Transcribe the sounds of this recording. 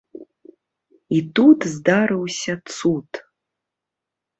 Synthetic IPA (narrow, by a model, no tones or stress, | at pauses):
itutʰzd̪aɾɨwsʲɐt͡sutʰʼ